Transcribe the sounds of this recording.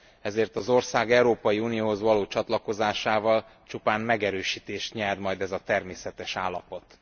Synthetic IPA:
ɛzeːrt̪ɒzo̞rsaːɡɛuɾoːpɒjiunijoːɦo̞zʋɒloːt͡ʃɒt̪lɒko̞zaːʃaːvɒlt͡ʃupaːnmɛɡɛɾøːʃiːt̪eːʃt̪ɲɛd̪mɒjd̪ɛzɒt̪ɛrmeːsɛt̪ɛʃaːlːɒ̰po̞t̪

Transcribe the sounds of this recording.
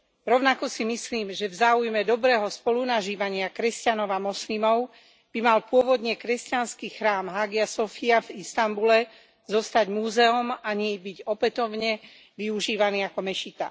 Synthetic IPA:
ɾɔʊnakɔsimisliːmʒɛvzaːujmɛd̪ɔbɾɛːɦɔspɔlunaʒiːʋaɲɪakɾɛscanɔʊamɔslimɔʊ | b̥imalpʊɔʋɔd̪ɲɛkɾɛscanskiːxɾaːmɦaːɡiasɔfiavist̪ambulɛ | zɔst̪aɟmuːzɛɔmaɲibiɟɔpɛt̪ɔʊɲɛ | ʋiuʒiːʋaniːakɔmɛʃit̪a̰

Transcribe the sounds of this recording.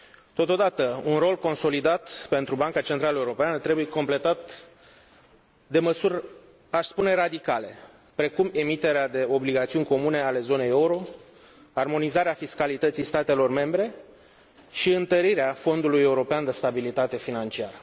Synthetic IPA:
t̪o̞t̪o̞d̪at̪əunro̞lko̞nso̞lid̪at̪pe̞nt̪ɾubaŋkat͡ʃent̪ɾaləeuɾo̞peanət̪ɾebuje̞ko̞mple̞t̪at̪ | d̪e̞məsurʲ | aʃspune̞rad̪ikale̞ | pɾe̞kume̞mit̪e̞ɾead̪e̞o̞bliɡat̪siunʲko̞mune̞ale̞zo̞ne̞jeuɾo̞ | armo̞nizaɾeafiskalit̪ət̪sijst̪at̪e̞lo̞rme̞mbɾe̞ | ʃiɨnt̪əɾiɾeafo̞nd̪uluje̞uɾo̞peand̪e̞st̪abilit̪at̪e̞finant͡ʃiaɾə

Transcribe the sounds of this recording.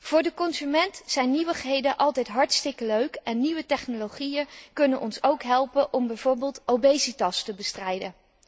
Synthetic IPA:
v̥ʊːɹdəkɔnzymɛntsɛjnːiʋəχɦejdənʔɑlˠtɛjtɦɑɹtstɪkəløɥkɛnːiʋətɛχnolowχijənkɵnənʔɔnsowkɦɛlˠpənʔɔmbɛjv̥ʊːɹbɪːlˠtowbejsitɑstəbəstrɛjdən

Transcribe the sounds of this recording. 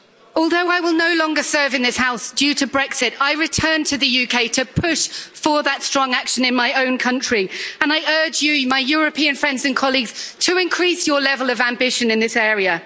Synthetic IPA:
ɔlˠðəʊaɪwɪlˠnəʊlɒ̃ŋɡəsɜ˞vɨ̃nðɪshaʊsd̥jʉtʰəbɹɛksɪtaɪɹɪtʰɜ̃ːntʰɨðɨjʉkʰeɪtʰəpʰʊʃfə˞ðətstɹ̥ɒ̃ŋakʃə̃nɪ̃nmaɪə̃ʊ̃nkʰʌ̃nt͡ʃɹ̥iə̃naɪʔɜːd͡ʒjɨmaɪjɔːɹəpʰĩə̃nfɹɛ̃ndzə̃nkʰɒlˠiɡz̥tʰəɪ̃nkʰɹ̥iˑsjəlɛvəlˠəvæ̃mbɪʃə̃nɨ̃nðɪsɛːɹiə

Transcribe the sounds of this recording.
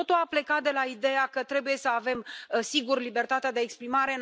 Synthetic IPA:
ot̪uaple̞kat̪̚d̪e̞laid̪e̞jakət̪ɾe̞buje̞səave̞msiɡurlibe̞rt̪at̪ead̪eːkspɾimaɾe̞n

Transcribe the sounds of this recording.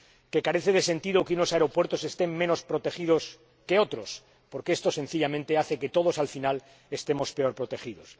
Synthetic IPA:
ke̞kaɾe̞θe̞ð̞e̞se̞nt̪iðokunosaeɾo̞pwe̞ɾt̪o̞se̞st̪emmeno̞spɾot̪e̞xið̞o̞s | ke̞o̞t̪ɾo̞s | po̞ɾkeest̪ose̞n̟θiʎamẽnt̪eaθe̞ke̞t̪o̞ð̞o̞salfinal | e̞st̪e̞mo̞spe̞o̞ɾpɾo̞t̪e̞xiðo̞s

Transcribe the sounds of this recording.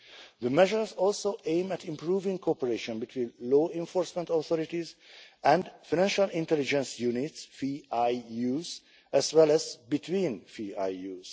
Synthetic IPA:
ðəmɛʒəɹzɔlsoʔẽɪ̃mætʰĩmpɹuːvĩŋkʰɔpəɹeʃɔ̃nbitʰwĩːnloːɛ̃ɱfɔɹsmɛ̃ntɔθɔɾitizæ̃ndfaɪñæ̃nʃalɪ̃ntɛlid͡ʒɛ̃nsjunitsfiaɪjuz | æzwɛlæzbitʰwĩːnfia̰jjuːz̥

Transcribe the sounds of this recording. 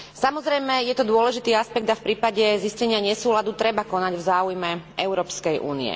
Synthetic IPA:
samɔzɾɛjmɛjɛt̪ɔd̪ʊɔlɛʒit̪iːaspɛɡ̚d̪afpɾiːpaɟɛziscɛɲɪaɲɛsuːlad̪ut̪ɾɛbakɔnaɟvzaːujmɛʔɛʊɾɔːpskɛjʔṵːnḭɛ̰

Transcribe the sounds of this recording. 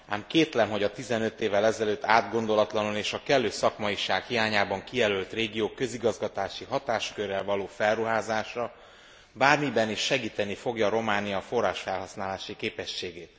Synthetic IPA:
aːmkeːt̪lɛmɦo̞ɟɒt̪izɛnø̞t̪ːeːvːɛlɛzɛløːt̪ːaːd̪ɡo̞nd̪o̞lɒt̪lɒnoneːʃɒkɛlːøːsɒkmɒiʃaːkhiaːɲaːbɒŋkijɛlølt̪reːɡijoːkø̞ziɡɒzɡɒt̪aːʃiɦɒt̪aːʃkørːɛlvɒloːfɛlruɦaːzaːʃɒ | baːrmibɛniʃːɛɡiːt̪ɛnifo̞ɡjɒːɾo̞maːnijɒfo̞raːʃfɛlɦɒsnaːlaːʃikeːpɛʃːeːɡeːt̪

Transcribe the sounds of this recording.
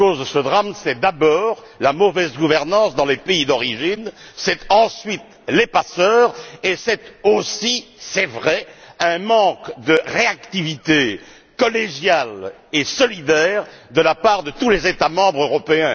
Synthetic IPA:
kozd̪əsəd̪ʁamsɛd̪abɔːʁ | lamɔvɛzɡuvɛʁnɑ̃sd̪ɑ̃lepeid̪ɔʁiʒinsɛt̪ɑ̃sɥit̪ | lepasœːʁesɛt̪osisɛvʁɛɛ̃mɑ̃kd̪əʁeakt̪ivit̪e | kɔleʒjal | esɔlid̪ɛʁd̪əlapaʁd̪ət̪ulezet̪amɑ̃bʁøʁɔpeɛ̃

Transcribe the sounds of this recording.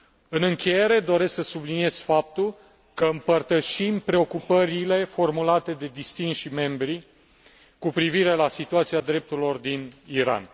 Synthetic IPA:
ɨnɨŋkʲe̞je̞ɾe̞d̪o̞ɾe̞sksəsublinie̞z̥fap̚t̪ul | kəɨmpərt̪əʃimpɾe̞o̞kupəɾile̞fo̞rmulat̪e̞d̪e̞d̪ist̪inʃime̞mbɾi | kupɾiviɾe̞lasit̪uat̪siad̪ɾe̞p̚t̪urilo̞rd̪iniɾa̰n

